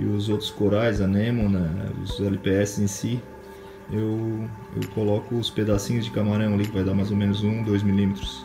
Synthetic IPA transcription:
ɪʊzowt̪ɾʊ̥skoɾajzɐnẽmõnɛ̰ʊ̰zɛlipeɛsɪzẽsi | ewḛwkolɔkʊːsped̪asĩɲʊzd͡ʒɪkamaɾɐ̃w̃ɐlikɪvajd̪aɾmajzomẽnʊzũd̪ojzmilĩmet̪ɾʊs

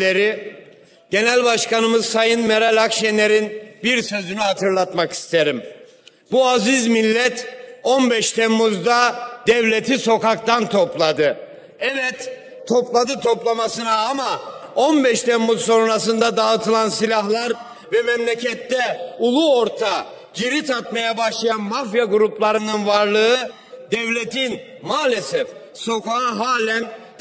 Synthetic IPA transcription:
eɾi | ɟe̞nælʲbaʃkanɯmɯzsajɯnmeɾalʲakʃene̞ɾinbiɾsø̞zynyɦat̪ʰɯɾlˠat̪maki̥st̪ʰe̞ɾim | buazizmilʲːɛt̪onbɛʃt̪ʰɛmːuzd̪ad̪ɛvlʲe̞t̪ʰiso̞kak̚t̪ant̪ʰo̞plˠad̪ɯ | ɛvɛt̪ʰː | o̞plˠad̪ɯt̪ʰo̞plˠamasɯnaːmaonbɛʃt̪ʰɛmːuzso̞nɾasɯnd̪ad̪aɯt̪ʰɯlˠansilʲahlˠaɾ | vɛmɛmlʲecʰɛt̪ːɛulˠuo̞ɾt̪ʰa | ɟ̥iɾit̪ʰat̪majabaʃlˠajanmafjaɡuɾuplˠaɾɯnɯnvaɾlˠɯɯ | d̪ɛvlʲet̪in | maːlʲesɛf | so̞kaɦaːlʲæn

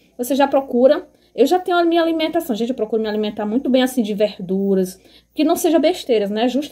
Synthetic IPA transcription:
voseʒapɾokuɾɐ | ewʒat̪ẽɲ̃ʊũamĩɲɐalimẽt̪asɐ̃w̃ʒẽnt͡ʃɪewpɾɔkuɾʊmɪalimẽnt̪aɾmũj̃t̪ʊbẽj̃asĩd͡ʒɪvehd̪uɾɐs | kɪnɐ̃w̃seʒɐ̃beʃt̪eɾɐnɛʒuʃt̪

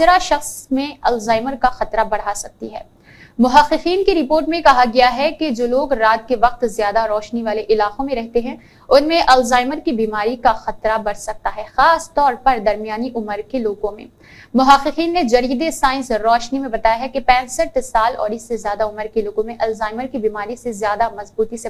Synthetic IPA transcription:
sɾaʃɐxsmẽɐlzaːɪməɾkaxɐt̪ɾabɐɽ̤asɐk̚t̪iɦɛː | mʊɦaqːɪqiːnkiɾɪpoːɾʈmẽkɐɦaɡɐjaɦɛked͡ʒoːloːɡɾaːt̪̚keʋɐq̚t̪zjaːd̪aɾɔːʃniʋaːleʔɪlaːqõmẽɾɛɦt̪eɦɛ̃ | ʊnmẽʔɐlzaːɪməɾkibiːmaːɾikaxɐt̪ɾabɐɽsɐk̚t̪aɦɛxaːst̪ɔːɾpɐɾd̪ɐɾmijaːniʔʊməɾkeloːɡõmḛ̃ː | mʊɦaqːɪqiːnːed͡ʒɐɾiːd̪esaːɪ̃nsɾɔːʃnimẽbɐt̪aːjaɦɛkepɛ̃ːsəʈsaːlɔ̰ːɾɪsːezjaːd̪aʊməɾkeloːɡõmẽʔɐlzaːɪməɾkibiːmaːɾisezjaːd̪amɐzbuːt̪ise

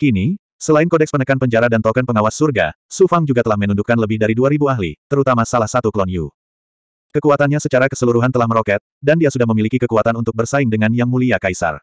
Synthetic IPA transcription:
kini | səlaɪnkɔdɛkspənəkanpəɲd͡ʒaɾadant̪ɔkənpəŋawasːurɡa̰ | sufaŋd͡ʒuɡat̪əlahmənundukːanləbɪhdaɾiduaɾibuaɦlḭt̪əɾut̪amasalahsat̪uklɔniṵ | kəkuat̪anɲasət͡ʃaɾakəsəluɾuɦant̪əlahməɾokɛt̪̚dandiasudahməmilikikəkuat̪anunt̪ʊk̚bərsaɪŋdəŋanjaŋmuliakaisa̰r

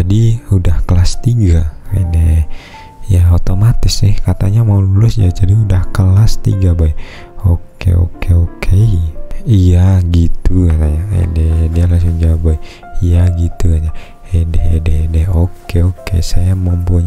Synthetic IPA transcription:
adiudahkəlast̪iɡaḛdɛ | jaot̪omat̪ɪsnɪhkat̪aɲamaululʊsd͡ʒad͡ʒadiudahkəlast̪ḭɡabaj | okḛo̰keokʰe | ijaɡit̪uanajaḛdɛdialasʊŋd͡ʒawbaɛ | ijaɡit̪uaɲa | edɛɦedɛdɛhokeokḛsajaməmpuɲ

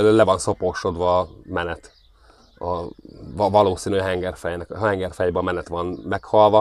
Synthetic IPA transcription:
ølɛvɒnso̞poːʃo̞d̪ʋɒːmɛnɛt̪ | ɒɒvɒloːsiːnyɦɛŋɡɛrfɛjnɛkhɛŋɡɛrfɛjbømɛnɛt̪ʋɒnmɛkhɒlʋɒ

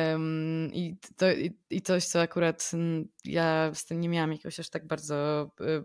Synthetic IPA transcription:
mit̪ɔiit̪sɔɕt̪sɔakuɾat̪jast̪ɘmʲɲɛmʲawamjakoɕaʂt̪aɡ̚baɾd̪zɔ

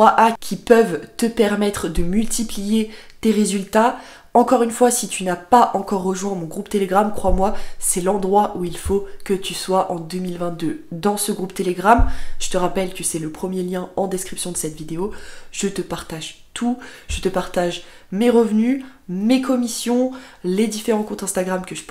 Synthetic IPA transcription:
aʔakʲʰipœvt̪əpɛʁmɛt̪χəd̪əmylt̪iplije | t̪eʁezylt̪a | ɑ̃kɔʁynfwasit̪ʰynapaʔɑ̃kɔʁːəʒwɛ̃mɔ̃ɡʁupt̪eleɡʁamkχwamwasɛlɑ̃d̪ʁwaʔuilfokət̪yswaʔɑ̃d̪ømilvɛ̃t̪̚d̪ød̪ɑ̃səɡʁupt̪eleɡʁamʒ̥ət̪əʁapɛlkəsɛləpχəmjeljɛ̃ɑ̃d̪eskχipsjɔ̃d̪əsɛt̪vid̪eoʒ̥ət̪əpaʁt̪aʒ | t̪ʰuʒ̥ət̪əpaʁt̪aʒ | meʁəvnymekʰɔmisjɔ̃led̪ifeʁɑ̃kɔ̃t̪ɛ̃st̪aɡʁamkəʒəp

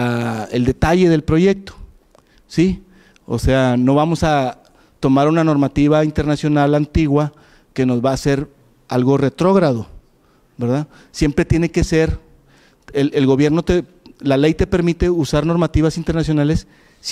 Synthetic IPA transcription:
aḛld̪e̞t̪aʝe̞ðe̞lpɾo̞ʝe̞k̚t̪o̥ | si | o̰se̞ano̞βamo̞sa | t̪o̞maɾunano̞ɾmat̪iβaint̪e̞ɾnasjo̞nalant̪iɣwa | ke̞no̞zβaːse̞ɾ | alɣo̞re̞t̪ɾo̞ɣɾaðo̞ | be̞ɾða | sje̞mpɾet̪je̞ne̞ke̞se̞ɾ | elelɣo̞βje̞ɾno̞t̪e | lale̞jt̪e̞pe̞ɾmit̪e̞usaɾno̞ɾmat̪iβasint̪eɾnas̬jo̞nale̞sː

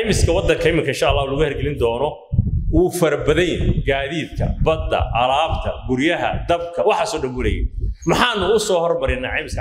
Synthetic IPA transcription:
jmɪskʰɐwɑd̪ːɐŋkʰɐɪmɪŋkʰɐɪnʃaːlːaːhulɐɣʊhɛrɡɛlɪnd̪ɔːnɔ | wuːfɐɾbɐðɛjnɡaːðiːd̪kʰɐ̰bɐd̪ːɐ̰ʔɐlaːbt̪ʰɐɡʊɾjɐɦɐ̰d̪ɐbkʰɐwɑħaːsɔːɖɐmbʊlɛjɛ̰mɐħɑːnːʊʊsɔːhɔrmɐɾɪnːɐʕɛjmɪskʰɐ

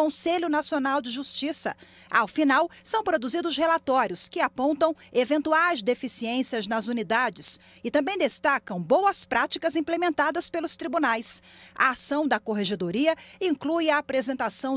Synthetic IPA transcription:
õseʎʊnasionawd͡ʒɪʒust͡ʃisɐ̰ | awfinawsɐ̃w̃pɾod̪uzid̪ʊshelat̪ɔɾjʊskɪapõnt̪ɐ̃w̃evẽnt̪uajzd̪efisiẽsiɐznɐzunid̪ad͡ʒɪs | ɪt̪ɐ̃mbẽj̃d̪est̪akɐ̃w̃bowɐspɾat͡ʃikɐzĩplemẽnt̪ad̪ɐspelʊst̪ɾibunajsɐ̰asɐ̃w̃d̪ɐkoɦeʒed̪oɾiɐĩŋklujɐːpɾezẽnt̪asɐ̃w̃

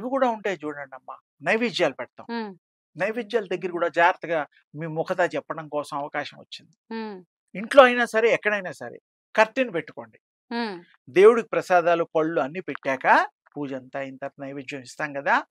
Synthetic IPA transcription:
iʋikuːɽaːuɳʈeːd͡ʒuːɽɐɳɖɐmːa̰ | nɐjʋid͡ʒjaːlupɛɽɐt̪a̰ːu | nɐjʋiːd͡ʒjaːld̪ɐɡːɐɾikuːɽaːd͡ʒaːɾt̪ɐɡaː | miːmɔkʰɐt̪aːt͡ʃɛpːɐɽɐmkɔːsɐmɐʋɐkaːʃɐmʋɐ̰t͡ʃːind̪i | iɳʈlo̞ːɐjnaːsɐɾe̞ɛkːɐɽɐjnaːsɐɾḛː | kɐɾt̪inupeʈːu̥ko̞ːɳɖi | d̪e̞ːwuɽukipɾɐsaːd̪aːlupɐɭːuɐnːipeʈːaːka | puːd͡ʒɐnt̪aːint̪ɐɾpɐnɐjʋiːd͡ʒjɐmist̪aːŋkɐd̪aː

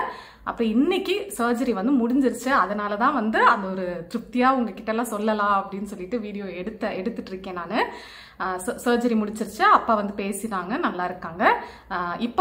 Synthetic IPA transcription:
ʔɐ̰pːɯɾɔ̃ɪnːɪkːisɐːɾd͡ʒɐɾiʋɐnd̪ɯmʊɽɪɲd͡ʒɪɾɯt͡ʃːɯɐðɐnaːlɐt̪ãːʋɐnd̪ɯɐnd̪ɐɔɾɯt̪ɪɾɪp̚t̪ɪjaːʊŋɡɐkɪʈːɐlːãːsɔlːɐlãːɐpːɐɽɪnːɯsɔlːɪʈːɯʋiːɽɪjoːɛɽɯt̪ːɐɛɽɯt̪ːɯʈːɪɾɯkːẽːnaːnɯ | ssɐːɾd͡ʒɐɾimʊɽɪt͡ʃːɪɾɯt͡ʃːɯɐpːaːʋɐnd̪ɯpeːsɪɾaːŋɡɐnɐlːaːɪɾɯkːaːŋɡɐ | ɪpːo

